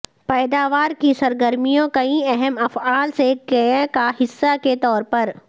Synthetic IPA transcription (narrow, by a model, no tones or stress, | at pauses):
pɛːd̪aːʋaːɾkisɐɾɡəɾmijõkɐĩɛɦɛmɐfaːlsekɐ̃kaɦɪsːaket̪ɔːɾpɐɾ